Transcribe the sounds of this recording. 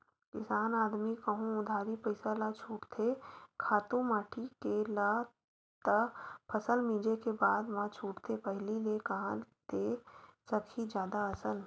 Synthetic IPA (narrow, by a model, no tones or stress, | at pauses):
kɪsaːnaːd̪mikəɦũʊd̪ʱaːɾipɐɪsalat͡ʃʰuːʈt̪ʰekʰaːt̪ũmaːʈʰikela | t̪əpʰəsəlmĩːd͡ʒekebaːd̪ʋãt͡ʃʰuːʈt̪ʰepɛɦlilekɐɦãnt̪eːsəkʰid͡ʒjaːd̪aɐsəl